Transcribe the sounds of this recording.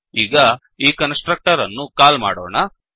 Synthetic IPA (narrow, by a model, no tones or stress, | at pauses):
iːɡɐ | iːkɐnsʈɾɐk̚ʈɐɾɐnːukaːlma̰ːɽoːɳɐ